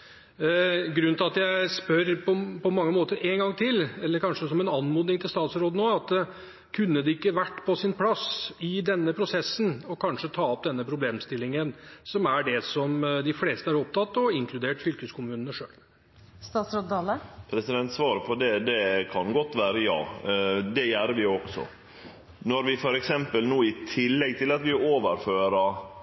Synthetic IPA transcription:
ɡɾʉnt̪ɪlɑt̪jæɪspœɾpɔpɔmɑŋːəmoːt̪əɾeːŋɡɑŋːt̪ʰɪlːɛlːəɾkʰɑnʂəsɔmɛnɑnːmuːd̪ɪŋt̪ʰɪlst̪ɑːt̪sɾoːd̪ənoːɑt̪ː | kʰʉnːəd̪ɛɪkːəʋæʈːpʰɔsɪnpʰlɑsɪd̪ɛnːəpʰɾʊsɛsːənɔkʰɑnʂət̪ʰɑːɔp̚d̪ɛnːəpʰɾʊbleːmst̪ɪlːɪŋənsɔmæɖɛsɔmd̪ɪfleːst̪əæɾɔp̚t̪ʰɑt̪ːɔɪŋkʰlʉd̪eːʈfʏlkəskʰʊmʉːnnəʂø̰ːl | st̪ɑːt̪sɾɔt̪̚d̪ɑːləpʰɾɛsɪd̪ɛnt̪sʋɑːɾəpʰɔd̪ɛd̪ɛkʰɑnɡɔt̪ːʋæːɾəjɑ̰ːd̪ɛjæːɾəʋɪɔɡ̥sɔ̰ | nɔɾʋɪfɔɾɛksɛmpəlnuːɪt̪ʰɪlːɛɡ̚t̪ʰɪlɑt̪ʋɪoːʋəɾføːɾɑ

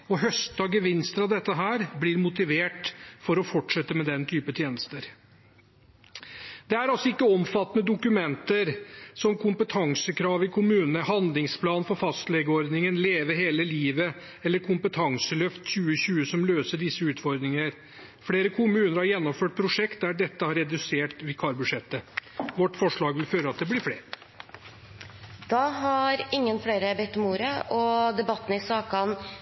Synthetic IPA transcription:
ɔɦœst̪d̪ɑɡəʋɪnst̪əɾɑʋd̪ɛt̪ːəɦæːɾblɪɾmʊt̪ɪʋeːʈfɔɾɔfɔʈʂɛt̪ːəmɛd̪ɛnt̪ʰyːpət̪ʰjeːnəst̪əɾ | d̪̥ɛæɾɑlsɔɪkːəɔmfɑt̪ːənəd̪ʊkʉmɛnt̪əɾsɔmkʰʊmpət̪ʰɑŋsəkʰɾɑːʋɪkʰʊmʉːnənəhɑnd̪lɪŋspʰlɑːnfɔɾfɑst̪lɛːɡəɔɾd̪nɪŋənleːʋəɾɦeːləliːʋə | ɛlːəɾkʰʊmpət̪ʰɑŋsəlœft̪ɕʉːəɕʉːəsɔmløːsəɖɪsːəʉːt̪fɔɾd̪ɾɪŋəɾ | fleːɾəkʰʊmʉːnəɾhɑɾjɛnːɔmføːʈ̚pʰɾʊʂɛkt̪̚d̪æɖɛt̪ːəhɑɾɛd̪ʉseːʈʋɪkʰɑːɾbʉʂɛt̪ːəʋɔʈːfɔʂɭɑːɡʋɪlføːɾəɑt̪̚d̪ɛblɪɾfɽeːɾ | d̪̥ɑːɦɑɾɪŋːənfɽeɪɾəbɛt̪ːɔmuːɾəʔɔd̪ɛbɑt̪ːn̩ɪsɑːkɑn

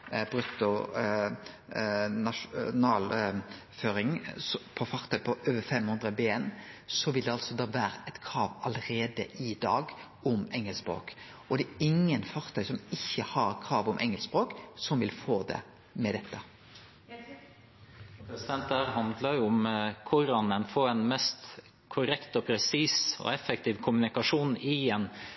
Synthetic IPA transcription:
bɾʉt̪ːʊ | nɑʂnɑːl | føːɾɪŋspʰɔfɑʁt̪ʰœʏpʰɔʔøːʋəfɛmhʉnd̪ʁəbeːensɔʋɪld̪ɛɑlsɔd̪ɑːʋæːɾəɛt̪kʰɾɑːʋɑləɾeːd̪əʔɪd̪ɑːɡ | ʊmɛŋəlsbɾo̰ːk | ɔd̪ɛːɪŋːənfɑʁt̪ʰœʏsɔmɪçːəhɑɾkʰɾɑːʋʊmʔɛŋɛlsbɾoːksɔmʋɪlfoːd̪ɛ̰ | mɛd̪ɛt̪ːə | pɾɛsɪd̪ɛnt̪æɾhɑnd̪lɑjʊʊmkʰʊɾɑnɛnfoːɾɛnmɛst̪ | kʰʊɾɛkt̪ɔpʰɾɛsiːsɔ̰ɛfɛk̚t̪ʰiːʋkʰʊmʉnɪkɑʂuːnɪɛn

